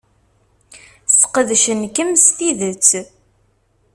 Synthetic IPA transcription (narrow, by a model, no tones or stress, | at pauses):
sqəðʃənkəmst̪iðət͡sː